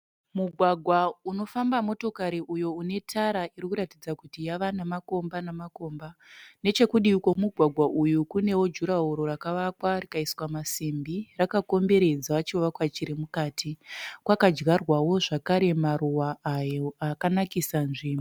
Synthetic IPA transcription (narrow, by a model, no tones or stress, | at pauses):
muɡʱwaɡʱwauno̞fambamo̞to̞kaɾiʔujo̞une̞tʰaɾairikuɾatid͡zakutijaʋanamako̞mbanamako̞ːmbane̞t͡ʃe̞kuɗiuko̞muɡʱwaɡʱwaʔujukune̞wo̞d͡ʒuɾaɦuɾo̞rakaʋakwarikaiswamasimbirakako̞mbe̞ɾe̞d͡zaʋat͡ʃioʋakwat͡ʃiɾimukaːtʰikwakad͡ʒɡarwawo̞ʐakaɾe̞maruwaːjoakanakisanʐiːmo